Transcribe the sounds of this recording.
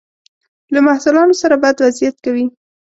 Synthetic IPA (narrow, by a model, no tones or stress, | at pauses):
lamahsʊlɑnosaɾabɑjad̪wazijat̪̚kawi